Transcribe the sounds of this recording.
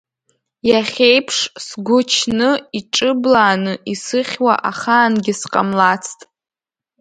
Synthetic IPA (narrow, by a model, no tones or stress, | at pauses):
jaχʲejpʰʂsɡʷʊt͡ʃʰnɨiʈ͡ʂʼɨblaːnɨʔisɨχʲwa̰ʔaχaːnɡʲɪsqʼa̰mlat͡sʰtʼ